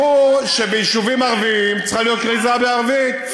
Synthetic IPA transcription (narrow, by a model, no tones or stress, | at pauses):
uʃebeiʃuvimaʁviimt͡sχalijot̪̚kʁizabeaʁvit̪